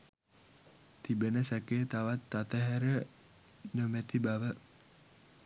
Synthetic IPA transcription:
t̪ibənəsəkeːt̪aʋat̪ːat̪əɦɛɾə | nəmət̪ibaʋə

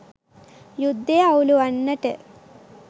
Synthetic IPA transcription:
jud̪ʱːeɐuluɐnːɐʈə

